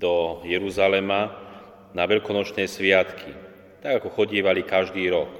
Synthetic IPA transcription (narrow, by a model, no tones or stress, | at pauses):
d̪ɔjɛɾuzalɛma | naʋɛʎkɔnɔt͡ʃnɛjsʋɪat̪kʰi | t̪aɡakɔxɔɟiɛʋalikaʒd̪iːɾɔk